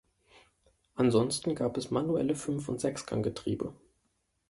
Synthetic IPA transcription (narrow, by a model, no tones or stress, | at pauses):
ʔanzɔnstn̩ɡaːpɛsmanuɛ̰ləfʏnfʊntz̥ɛksɡ̥ʰa̰ŋɡətʁ̥ḭːbə̰